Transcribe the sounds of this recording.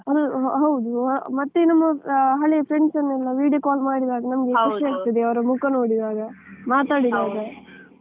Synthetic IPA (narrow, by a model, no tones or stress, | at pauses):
ɐd̪uɦɐwd̪umɐt̪ːenɐmːɐɦɐɭepʰɾeɳɖsɐnːɛlːɐʋiːɖijɐkaːlmaːɽid̪aːɡɐnɐmɐɡeiʃaːɡ̚t̪ɐd̪eɐʋɐɾɐmukɐnoːɽid̪aːɡɐmaːt̪aːɽid̪aːɡɐ